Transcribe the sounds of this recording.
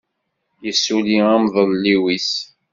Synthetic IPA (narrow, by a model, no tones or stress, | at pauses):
jəsːuliamðˤəlliwis